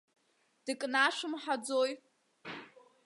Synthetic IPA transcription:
d̥ɨkʼnaʃʷʊmħad͡zoj

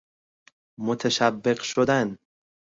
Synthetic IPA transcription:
mot̪ʰæʃæbːeɢʃod̪æn

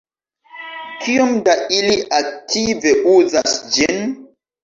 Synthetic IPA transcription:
kiomdailiʔak̚tʰive̞ʔuzasd͡ʒin

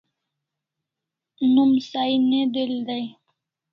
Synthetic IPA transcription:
numsained̪eld̪aj

